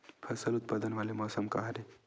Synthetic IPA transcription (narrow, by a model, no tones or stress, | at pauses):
pʰɐsəlʊt̪̚pad̪ənʋaːlemɔːsəmkaɦaɾe